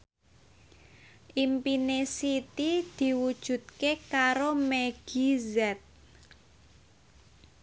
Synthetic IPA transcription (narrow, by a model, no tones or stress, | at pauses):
ʔimpinesit̪id̪̥i̤wud̥ʒ̥ṳt̪̚kekaɾomeɡ̥izɛt̪̚